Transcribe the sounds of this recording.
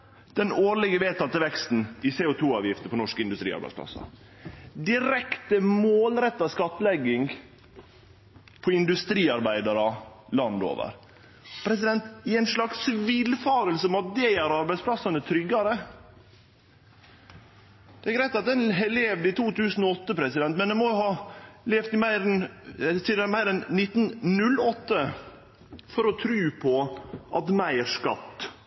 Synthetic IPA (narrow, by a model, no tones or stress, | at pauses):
d̪̥ɛnoːɾlɪɡəʋeːt̪ʰɑt̪əʋɛkst̪n̩ɪseːʊt̪ʰuːɑːʋjɪft̪əpʰɔnɔʂkəɪnd̪ʉst̪ɾiːɑ̰ɾbæɪspʰlɑ̰sːɑ̰ | d̪ɪɾɛkt̪əmoːlɾɛt̪ːɑskɑt̪ːlɛɡːɪŋ | pʰɔɪnd̪ʉst̪ɾiːɑɾbæɪd̪ɑɾɑlɑnd̪o̰ːʋə̰ɾ | pʰɾɛsɪd̪ɛnt̪ɪæɪnʂlɑksʋɪlfɑːɾəlsəmɑt̪̚d̪ɛæɾɑɾbæɪspʰlɑsɑnət̪ʰɾʏɡːɑɾə | d̪ɛæɡɾæɪt̪ɑt̪̚d̪ɛnɦɛleːʋd̪ɪt̪ʰuːt̪ʰʉːsn̩ɔɔt̪ːəpʰɾɛsɪd̪ɛnt̪mɛnd̪ɛmɔʊhɑːleːft̪ɪmæɪɾnt̪ʰɪd̪æmæɪɾɛnːɪt̪ːnnʉlɔt̪ːə | fɔɾɔt̪ʰɾʉːpʰɔʔɑt̪mæɪʂkɑ̰t̪ː